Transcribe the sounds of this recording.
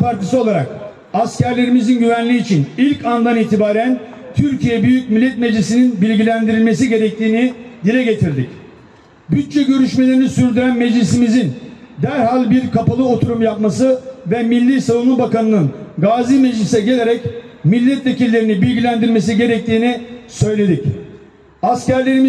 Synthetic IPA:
pʰaɾt̪ʰisɯo̞lˠaɾa̰k | ascʰæɾlʲe̞ɾimizinɟyvænlʲiːt͡ʃʰinilʲcand̪aniːt̪ʰibaːɾænt̪ʰyɾcijɛbyjyc̚milʲːɛt̪med͡ʒlʲisininbilʲɟilʲænd̪iɾilʲme̞s̬iɟe̞ɾɛc̚t̪ʰiːnid̪ilʲɛɟe̞t̪ʰiɾd̪ic | byt̪̚t͡ʃɛɟø̞ɾyʃme̞lʲe̞ɾinisyɾd̪yɾænmɛd͡ʒlʲisimizind̪æɾhalʲbiɾkʰapalˠɯo̞t̪ʰuɾumjap̚masɯvɛmilʲːisavunlˠɯbakanɯnɯnɡaːzimɛd͡ʒlʲisɛɟe̞lʲe̞ɾɛc | milʲːɛt̪ve̞cilːʲe̞ɾinibilʲɟilʲænd̪iɾlʲme̞s̬iɟe̞ɾɛc̚t̪ʰiːnisø̞jlʲe̞d̪ic | ascæɾlʲe̞ɾimi

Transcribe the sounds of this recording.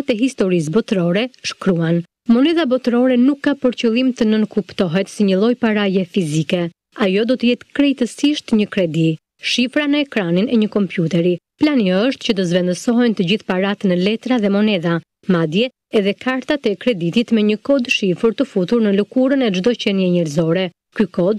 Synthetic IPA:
t̪ɛɦist̪ɔɾis̬bɔt̪ɾɔɾɛʃkɾuan | mɔnɛðabɔt̪ɾɔɾɛnukːapəɾcəlˠimt̪ənənkupt̪ɔɦɛt̪siɲəlˠɔjpaɾajɛfizikɛ | ajɔd̪ɔt̪əjɛt̪kɾɛjt̪əsiʃt̪ɲəkɾɛd̪i | ʃifɾanəɛkɾaninʔɛɲəkɔmpjut̪ɛɾi | planjɔəʃt̪cəd̪əzvɛnd̪əsɔɦɛnt̪əd͡ʑiθpaɾat̪nəlɛt̪ɾaðɛmɔnɛða | mad̪jɛ | ɛðɛkaɾt̪at̪ɛkɾɛd̪it̪it̪mɛɲəkɔd̪ʃifəɾt̪əfut̪uɾnələkuɾənɛd͡ʒd̪ɔcɛnjɛɲɛɾzɔɾɛ | kykɔd̪

